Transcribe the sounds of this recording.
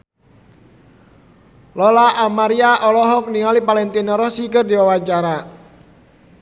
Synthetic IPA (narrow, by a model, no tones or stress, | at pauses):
lɔlaʔamaɾiaʔɔlɔɦɔk̚niŋalipalɛnt̪inɔɾɔsikɨrdiwawat͡ʃaɾa